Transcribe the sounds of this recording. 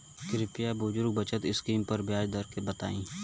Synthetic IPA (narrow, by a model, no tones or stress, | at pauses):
kɪɾɪpɪjabʊd͡ʒʊɾɡ̚bət͡ʃət̪ɪskiːmpəɾbjaːd͡ʒd̪əɾkebət̪a̰ːĩː